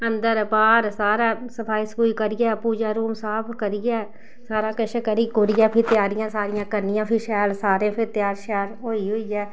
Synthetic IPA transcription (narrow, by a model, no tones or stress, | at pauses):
ənd̪əɾpaːɾsaːɾaːsəpʰaːiːsəpuːikəɾɪjɛːpuːd͡ʒaːɾuːmsaːpʰkəɾɪjɛː | saːɾaːkəʃkəɾiːkʊɾɪjãːpʰɪɾt̪ɪjaːɾɪjãːsaːɾɪjãːkəɾnɪjãːpʰɪʃɛːlsaːɾẽːpʰɪɾt̪ɪjaːɾʃɛːɾɦoːiɦoiːɛː